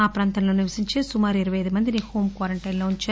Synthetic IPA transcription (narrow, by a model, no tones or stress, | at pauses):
aːpɾaːnt̪ɐmloːniʋɐsiɲt͡ʃeːsumaːɾiɾɐʋɐjɐðimɐnd̪iniːhoːmkʋaːɾɐɳʈɐjnloːuɲt͡ʃɐ